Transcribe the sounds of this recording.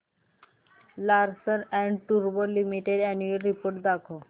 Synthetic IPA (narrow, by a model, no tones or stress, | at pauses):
laɾsəɾɛɳɖʈuɾbolimiʈeɖɛnjuəlɾipoɾʈd̪akʰo